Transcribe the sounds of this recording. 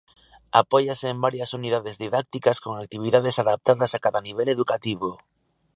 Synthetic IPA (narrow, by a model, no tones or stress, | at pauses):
a̰poʝaseːmbaɾjasunið̞aðezðiðak̚t̪ikaskoŋak̚t̪iβ̞iðaðesaðap̚t̪aðasakaðaniβ̞eleðukat̪iβ̞o